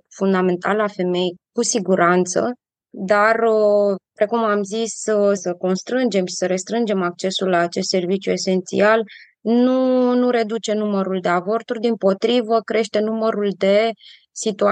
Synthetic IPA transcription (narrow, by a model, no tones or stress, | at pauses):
fund̪ame̞nt̪ʰalafe̞me̞jkusiɡuɾʔant̪sə̰ | d̪arəpɾe̞kumamzissəko̞nst̪ɾɨnd͡ʒe̞mʃi̥səɾe̞st̪ɾɨnd͡ʒe̞mak̚t͡ʃe̞sulːaːt͡ʃe̞st̪se̞rvit͡ʃjue̞se̞nt̪sḭal | nunuɾe̞d̪ut͡ʃe̞numəɾuld̪e̞avo̞rt̪urʲd̪impo̞t̪ɾivəkɾe̞ʃt̪e̞numəɾuld̪e̞ | sit̪ua